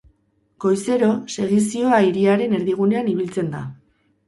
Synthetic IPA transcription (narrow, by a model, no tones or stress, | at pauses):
ko̞jse̞ɾo̞se̞ɣ̞isio̞aiɾiaɾe̞ne̞ɾðiɣ̞une̞aniβ̞ilt͡se̞nd̪a̰